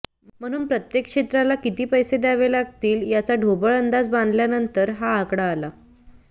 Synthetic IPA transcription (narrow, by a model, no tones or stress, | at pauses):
m̤əɽ̃uːnpɾət̪jekʂet̪ɾalakit̪iːpəjsed̪aʋelaɡt̪iːljat͡saɖʱobəɭənd̪ad͡zbãnd̪ljanənt̪əɾɦaːkɽaːla